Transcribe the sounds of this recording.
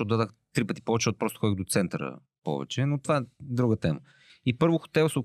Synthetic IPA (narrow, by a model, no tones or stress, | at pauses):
ɔt̪d̪ad̪əxt̪ɾipət̪i̥pɔvɛt͡ʃɛɔt̪̚pɾɔst̪o̥xɔd̪iɣd̪ot̪sɛnt̪əɾə̰ | pɔ̰vɛ̰t͡ʃɛnot̪ovaɛd̪ɾuɡət̪ɛmə̰ | ipɤɾvoxo̥t̪ɛvˠsɛʊ